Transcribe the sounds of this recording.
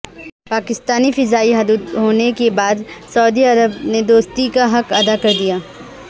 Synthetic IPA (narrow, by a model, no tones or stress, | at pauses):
paːkɪst̪aːnifɪzaːiɦɐd̪ud̪ɦoːnekebaːd̪sɐʊd̪iɐɾəbned̪oːst̪ikaɦɐkɐd̪akɐɾd̪ijaː